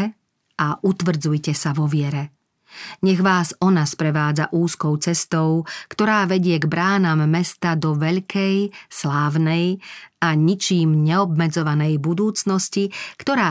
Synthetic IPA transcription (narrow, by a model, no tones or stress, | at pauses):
ʔaʔut̪ʋr̩d͡zujcɛsaʋɔʋɪɛɾɛ | ɲɛɣʋaːsɔnaspɾɛʋaːd͡za̰ʔuːskɔʊt͡sɛst̪ɔʊkt̪ɔɾaːʋɛɟɪɛɡbɾaːnamːɛst̪ad̪ɔʋɛʎkɛjslaːʋnɛjaɲit͡ʃiːmɲɛɔb̚mɛd͡zɔʋanɛjbud̪uːt͡snɔscikt̪ɔɾaː